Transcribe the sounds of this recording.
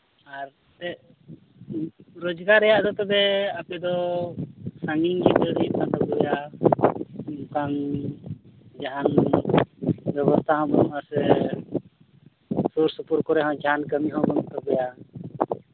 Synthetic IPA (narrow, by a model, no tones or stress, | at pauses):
aɾ | t̪ɛ | ɾɔd͡ʒɡaɾɛjaʔd̪ɔt̪ɛbɛapɛd̪ɔ | saŋiŋd͡ʒit̪əɾipad̪abuja | kaŋ | d͡ʒaɦan | bɛbɔst̪ʰaɦmɔasɛ | suɾsɔpuɾkɔɾɛɦɔ̃d͡ʒaankəmiɦɔ̃ɡɔnt̪ɔbɛja